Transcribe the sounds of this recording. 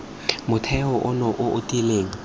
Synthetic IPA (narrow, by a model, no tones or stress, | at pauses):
mʊtʰɛɔʔʊnɔʔʊʔʊtʼileːŋ̩